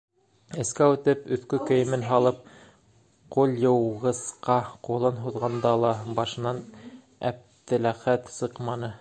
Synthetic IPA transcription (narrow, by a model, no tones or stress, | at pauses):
ɘ̆skæwʉt̪ɘpɵ̆θkɵkɵ̆jɘ̆mɘnɦɑlˠɤp̚ | qulˠjɤ̆wʁɤ̆sqɑqulˠɤnɦuðʁɑnd̪ɑlˠɑbɑʃɤ̆nɑn | æ̰p̚t̪ɘ̆læχæt̪sɤqmɑnɤ